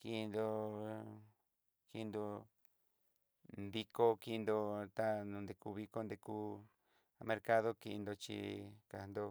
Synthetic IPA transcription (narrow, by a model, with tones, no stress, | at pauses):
ki˧nd̪o˧ | ki˧nd̪o˧ | nd̪i˧ko˦ki˦˧nd̪o˧t̪a˦nũ˨˧nd̪e˧ku˧βi˧ko˦nd̪e˧ku˦ | mẽ˧ɾka˦ðo˦ki˧nd̪o˧t͡ʃḭ˧ka˨˧nd̪o˧